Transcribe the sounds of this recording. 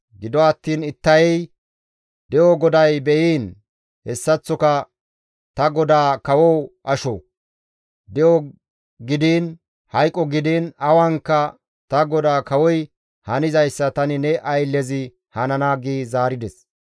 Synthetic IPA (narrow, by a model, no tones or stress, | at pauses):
ɡɪd̪ɔɐt̪ːiːnɪt̪ːɐjɛj | d̪ɛʔɔɡɔd̪ɐjbɛʔiːn | hɛsːɐt͡sːɔkɐ | t̪ɐɡɔd̪aːkɐwɔwʔɐʃɔ | d̪ɛɔ | ɡɪd̪iːn | hɐjkʼːɔɡɪd̪iːnɐwɐŋkːɐ | t̪ɐɡɔd̪aːkɐwɔj | hɐnɪzɐjsːɐt̪ɐnɪnɛʔɐjlːɛzɪ | hɐnɐnaːɡiːzaːɾɪd̪ɛs